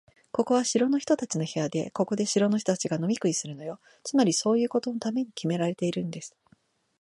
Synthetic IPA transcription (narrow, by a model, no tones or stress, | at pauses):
ko̞ko̞βaɕiɾo̞no̞çi̥t̪o̞t̪at͡ɕino̞he̞jad̪e̞̰ko̞ko̞d̪e̞ɕiɾo̞no̞çi̥t̪ot̪at͡ɕiɡano̞mʲikɯ̟isɨɾɯ̟no̞jo̞ | t͡sɨmaɾʲiso̞ːjɯ̟ːko̞t̪o̞no̞t̪ame̞ɲ̟ikʲime̞ɾaɾe̞t̪e̞iɾɯ̟̃nd̪e̞sɨ̥